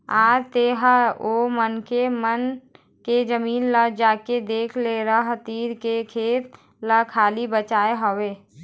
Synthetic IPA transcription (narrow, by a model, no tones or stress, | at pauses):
aːɾt̪eːɦəoːmənkemən | ked͡ʒəmiːnləd͡ʒaːked̪eːkʰleɾəɦt̪iːɾkekʰeːt̪̚ | ləkʰaːlibət͡ʃaːeɦoweː